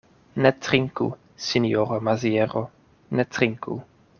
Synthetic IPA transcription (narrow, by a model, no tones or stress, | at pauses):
nɛt̪ɾiŋkṵ | sinioɾomazjeɾo | net̪ɾiŋkṵ